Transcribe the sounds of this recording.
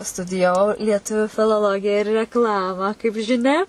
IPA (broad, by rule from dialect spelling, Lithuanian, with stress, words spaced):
stʊdʲɪjɛˈʋɐʊ lʲiɛˈtʊʋʲʊ fʲɪlˠoːˈlˠoːɡʲɪjɛ ɪr rʲɛkˈlˠɑːmɑː kɐɪp ʒʲɪˈnʲɛ